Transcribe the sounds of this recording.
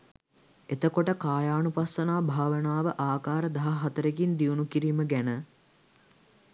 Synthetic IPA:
et̪əkoʈəkaːjaːnupasːənaːbʱaːʋənaːʋəʔaːkaːɾəd̪aɦaɦat̪əɾek̬ind̪iunukiɾiːməɡænə

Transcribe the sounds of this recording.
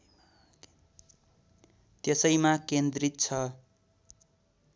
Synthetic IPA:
t̪esʌjmakend̪rit̪̚t͡sʰʌ

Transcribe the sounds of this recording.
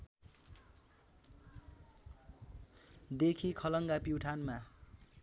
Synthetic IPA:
d̪ekʰikʰʌlʌŋɡapiwʈʰanma

